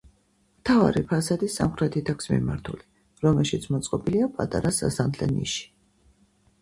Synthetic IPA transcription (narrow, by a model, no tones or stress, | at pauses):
mt̪ʰava̰ɾipʰasad̪isamχɾɛt̪ʰit̪ʰakʰsmḭma̰ɾt̪ʰuli | ɾɔmɛlˠʃit̪sʰmɔt̪sʼqʼɔbiliapʼa̰t̪ʼa̰ɾasa̰samt̪ʰlɛ̰nḭʃi̥